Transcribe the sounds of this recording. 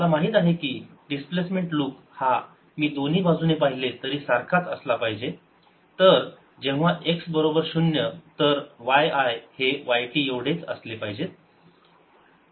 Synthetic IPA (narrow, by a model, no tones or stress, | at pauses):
əlamaɦiːt̪aɦekiː | ɖisplesmeɳʈluːk | ha | miːd̪on̤iːbad͡zunepaɦilet̪əɾiːsaɾkʰat͡səslapaɦid͡ʑe | t̪əɾ | d͡ʑeʋ̃ʋaʔeksbəɾobəɾɕunjət̪əɾʋajajheʋajʈiːjeʋɽet͡sə̰slepaɦid͡ʑe